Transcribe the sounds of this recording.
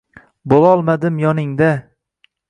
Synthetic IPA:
bolˠɒlˠmad̪ɪmjɒnɪŋd̪a

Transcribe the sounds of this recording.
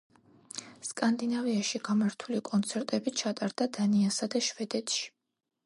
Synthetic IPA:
skʼand̪inaviaʃiɡ̥amaɾt̪ʰulikʼɔnt̪sʰɛɾt̪ʼɛbit͡ʃʰat̪ʼaɾd̪ad̪aniasad̪aʃvɛd̪ɛt̪ʰʃi̥

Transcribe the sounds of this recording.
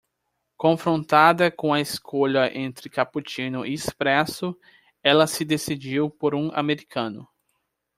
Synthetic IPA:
kõfɾõnt̪ad̪ɐkõɐeskoʎɐʔẽnt̪ɾɪkaput͡ʃĩnʊʔiispɾɛsʊ | ɛlɐsɪd̪esid͡ʒiwpoɾũa̰meɾikʰɐ̃nʊ

